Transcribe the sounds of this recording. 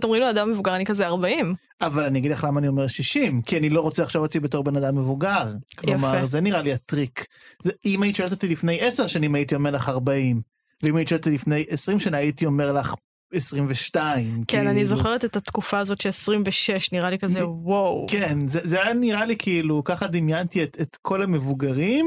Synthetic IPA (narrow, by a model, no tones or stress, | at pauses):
t̪eomʁimladamːevuɡaʁanikazeaʁbaim | avalaniaɡid̪laχlamaːnio̞me̞ʁʃiʃimkianilo̞ʁot͡seaχʃovot̪libeto̞ʁbe̞nadamːevuɡaʁkllomaʁzeniʁaliatʁik | zeimaitiʃolt̪atilifne̞jeseʁʃanimajitio̞meʁlaχaʁbaim | veimajit̪iʃolt̪t̪ilifne̞jesʁimʃanaaitio̞me̞ʁlaχ | esʁimveʃtaimknanizoχeʁet̪et̪hat̪kufaːzot̪ʃelesʁimveʃeʃniʁalikazewowkenzezeajaniʁalikʰiilukaχadimjantietetkʰo̞lame̞vuɡaʁim